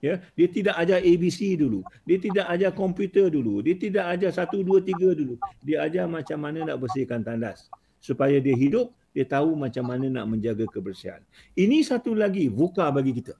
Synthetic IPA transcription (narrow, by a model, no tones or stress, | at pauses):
jədiət̪idaʔad͡ʒaebisiduludiət̪idaʔad͡ʒakɔmpjut̪ərduludiət̪idaʔad͡ʒasat̪uduət̪iɡaduludiəad͡ʒamãt͡ʃamːanə̃naʔbəsɪkant̪andasː | upajadiəɦidʊp̚ | diət̪aumãt͡ʃamːanə̃na̰ʔmə̃ɲd͡ʒaɡakəbərsia̰n | inĩsat̪ulaɡivukabaɡikit̪ə